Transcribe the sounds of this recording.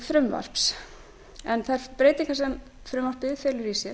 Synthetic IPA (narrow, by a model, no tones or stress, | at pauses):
fɾʏmva̰r̥ps | ɛnθaðɛɾpɾeːjt̪iŋkasɛm | fɾʏmvaɾ̥pɪðfɛːlʏɾisjɛɾ